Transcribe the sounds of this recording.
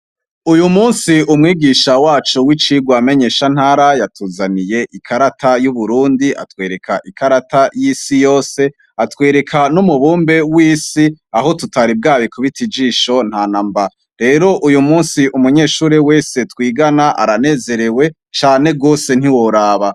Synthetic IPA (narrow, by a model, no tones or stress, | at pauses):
ujumuːnsiumŋiːɡiːʃawaːt͡ʃuwit͡ʃiɡwame̞ɲe̞ːʃan̥haːɾajatʰuːzanije̞ʔikʰaɾatʰajuβuɾuːndiʔa̰twe̞ːɾe̞kʰaʔikʰaɾatajisijo̞ːse̞ | atwe̞ːɾe̞kʰanumuβuːmbe̞wiːsiaɦo̞tutaɾib̚ɡaːβikʰuβitʰid͡ʒiːʃo̞n̥haːnamba | ɾe̞ːɾo̞ʔujumuːnsiʔumuɲe̞ːʃuːɾewe̞ːse̞twiːɡanaʔa̰ɾane̞ːze̞ɾe̞we̞ | t͡ʃaːne̞ɡo̞ːse̞n̥hiwo̞ɾaːβa